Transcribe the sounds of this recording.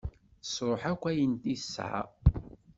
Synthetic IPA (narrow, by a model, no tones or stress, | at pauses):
sɾˤoħækʷːæjənt̪isːʕa̰